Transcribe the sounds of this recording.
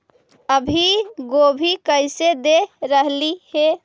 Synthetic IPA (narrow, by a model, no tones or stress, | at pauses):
əbʱiɡobʱikəɪsed̪eɾəɦlihe